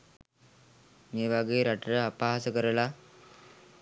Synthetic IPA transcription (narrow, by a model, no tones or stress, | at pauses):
meːʋaɡejeɾaʈəɾəapaɦasəkəɾəla